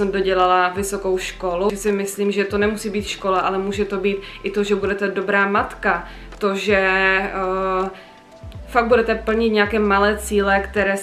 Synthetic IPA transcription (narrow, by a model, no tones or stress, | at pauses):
sɛmdoɟɛlalavɪso̞ko̞wʃko̞luɛsɪmɪsliːmʒɛt̪o̞nɛmusiːbiːt̪ʃko̞laʔalɛmuːʒɛt̪o̞biːt̪ʔɪt̪oʒɛbudɛt̪ɛdo̞bɾaːmat̪ka | t̪oʒɛ | faɡ̚budɛt̪ɛpl̩ɲɪt̪ɲɛakɛːmalɛːt͡siːlɛkt̪ɛɾɛː